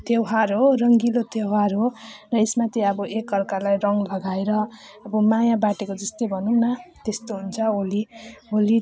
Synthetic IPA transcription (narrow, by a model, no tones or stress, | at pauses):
t̪ewɦarɦorʌŋɡilot̪ewɦarɦorʌesmat̪jeʌbʌʔekːʌrkalajrʌŋlʌɡaeɾʌːbʌmajãbaʈekod͡zʌst̪ejbʱʌnunat̪est̪oɦunt͡sʰʌolioli